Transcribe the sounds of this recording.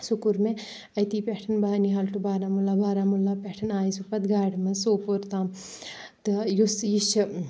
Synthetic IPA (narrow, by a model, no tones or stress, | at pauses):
sukuɾme | ɐjt̪iːpɛʈʰɐnbaɦɐniɦalʈubaːɾamulːabʱaːɾamulːapeʈʰɐnaːjsupɐt̪ɡaːɽmɐsoːpoɾt̪aːm | t̪ɨjusjiʃ